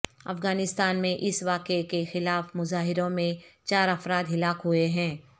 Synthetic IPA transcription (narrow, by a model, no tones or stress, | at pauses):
ɐ̰fɣaːnɪst̪aːnmẽʔɪsʋaːqekexɪlaːfmʊzaːɦɪɾõmẽt͡ʃaːɾɐfɾaːd̪ɦɪlaːkɦʊeɦɛ̃ː